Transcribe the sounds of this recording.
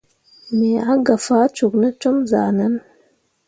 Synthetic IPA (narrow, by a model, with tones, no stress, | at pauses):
me˨a˦ɡa˨fa˨˦t͡ʃu˨kna˦t͡ʃo˦mza̰˨na˦n